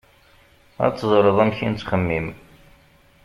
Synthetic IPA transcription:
æ̰t͡sːzˤɾəðˤæmçint͡sːχəmːim

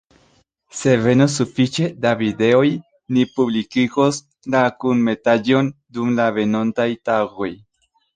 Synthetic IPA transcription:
se̞ve̞nos̬ufit͡ʃe̞davide̞o̞j | nipublikiɡo̞s | lakunme̞tad͡ʒo̞ndumlave̞no̞ntajtaɡo̞j

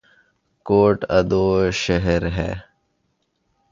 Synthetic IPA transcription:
koːʈɐd̪oːʃɐɦeɾɦɛ̰ː

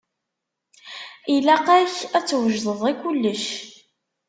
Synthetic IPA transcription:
ilæqæçæt͡sːwəʒðəðˤikʷːulːəʃ

